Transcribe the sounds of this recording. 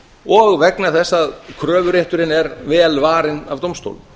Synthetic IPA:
ɔɣvɛknaθɛsːaðkʰɾœːvʏɾeht̪ʏɾɪnɛɾvɛːlvaːɾɪnavt̪owmst̪o̰wl

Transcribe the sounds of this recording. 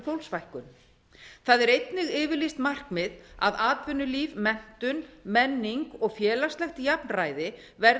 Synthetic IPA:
fowlsvajhkʏn | θaðɛɾejt̪nɪɣɪːvɪlijst̪mar̥kmɪða̰ðaːt̪vʏnːʏliːvmɛn̥t̪ʏnmɛnːiŋkɔɣfjɛːlast̪lɛxt̪japnraːjðɪ | vɛɾ

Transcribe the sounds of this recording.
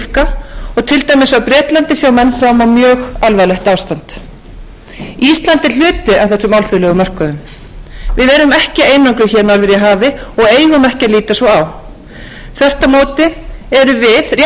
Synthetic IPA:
kaɔɣt̪ʰɪlt̪ajmɪsawpɾjɛːt̪lant̪ɪsjaːwmɛnːfɾawmawmjœːɣalvalɛht̪aːwst̪ant̪ | iist̪lant̪ɪl̥ʏːt̪ɪav̥θɛsːʏmalθʏlɛːɣʏmœr̥kʏðʏm | vɪðɛɾʏmɛhcɪeːjnaŋkɾʏçɛːɾnaɾvɪɾjɛɦaːvɪɔɣeːjɣʏmɛhcɪaliːt̪asvɔaw | θɛr̥t̪amoːwt̪ɪɛɾʏvɪðrj

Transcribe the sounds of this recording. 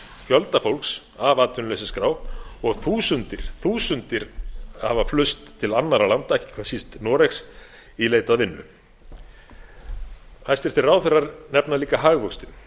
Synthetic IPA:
fjɔlt̪afowlks | avaːt̪ʏnlesɪskɾaːwɔɣθuːsʏnt̪ɪɾ̥θuːsʏnt̪ɪɾhavaflʏst̪ʰːɪlanːaɾalant̪aɛhcːɪ̥kʰvaðsist̪nɔːɾɛks | ileːjt̪aðvɪnːʏ̰ | hajst̪ɛɾ̥t̪ɪraːwθɛrːaɾnɛpnaliːkaɦaːɣvɔwkst̪ɪn

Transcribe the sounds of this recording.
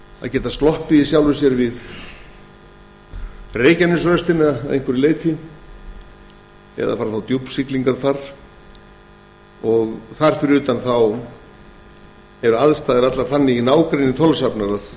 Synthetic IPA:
a̰ðcɛːt̪ast̪lɔhpɪisjawlvʏsjɛɾvɪð | reːjcɛmnɪsvœst̪ɪnːðḛjn̥kʰʏɾɪleːjt̪ʰɪ | ɛ̰ða̰faːɾaθawt̪jupsikliŋkaɾ̥θar̥ | ɔɣθaɾ̥fɪɾʏːt̪anθaw | ɛɾʏaðst̪aːðɪat̪laɾ̥θanːɪinaːwkɾejnɪnθʰɔlsapnaɾað

